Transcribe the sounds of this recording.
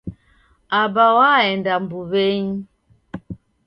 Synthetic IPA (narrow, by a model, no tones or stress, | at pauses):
abawaɛndam̩buβeɲ